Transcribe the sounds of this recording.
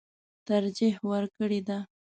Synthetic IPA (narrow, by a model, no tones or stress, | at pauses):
t̪aɾd͡ʒihwəɾkəɽed̪a